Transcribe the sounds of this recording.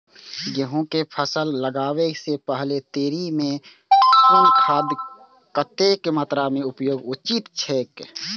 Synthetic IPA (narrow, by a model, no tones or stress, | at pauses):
jəɦõkepʰəsəlːəɡaːwesepəɦlet̪eːɾimẽ | kʊnkʰaːd̪ | kət̪ekmət̪ɾamẽʊpjoːɡʊt͡ʃit̪t͡ʃʰeːk